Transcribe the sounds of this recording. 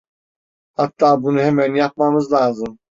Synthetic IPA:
hat̪ːaːbunuhemænjap̚mamɯzlˠaːzɯm

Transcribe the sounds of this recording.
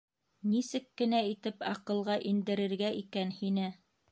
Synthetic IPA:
nisɘkːɘ̆næit̪ɘpɑqɤ̆lˠʁɑʔind̪ɘ̆ɾɘ̆ɾɡæʔikænhinɘ

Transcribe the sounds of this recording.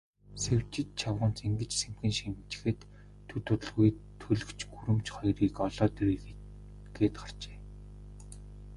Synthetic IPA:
sewt͡ɕɪ̆t͡ɕt͡ɕʰawʁə̆nt͡seŋɡɘ̆t͡ɕsemxɘ̆nʃimt͡ɕɪ̥̆xɘ̆t̪ʰː | ɵt̪ʰʊt̪ɵ̆ɮɣujt̪ʰːɵɮɵ̆kt͡ɕɡuɾɘ̆mt͡ɕχɔjriːkɔɮɔːt̪er | ɡ̥eːt̪ɢar̥t͡ɕe̥ː

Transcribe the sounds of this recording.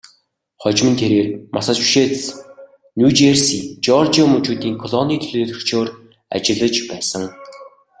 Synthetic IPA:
χɔt͡ɕmɘ̆nt̪ʰeɾeːrmasăt͡ɕu̥ʃeːt̪s | nʲjuːt͡ɕersit͡ɕɔrt͡ɕiɔmut͡ɕuːt̪iːŋkʰɔɮɔniːt̪ʰɵɮeːt̪ɵ̆kt͡ɕoːr | a̰t͡ɕɪ̆ɮə̆t͡ɕpæːsə̆ŋ

